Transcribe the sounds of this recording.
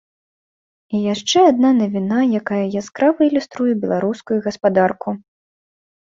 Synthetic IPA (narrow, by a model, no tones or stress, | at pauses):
ijaʂt͡ʂɛad̪̚nanɐvʲinajakajɐjaskɾavɐilʲust̪ɾujɛbʲɛlˠaɾuskujuɣɐspad̪arku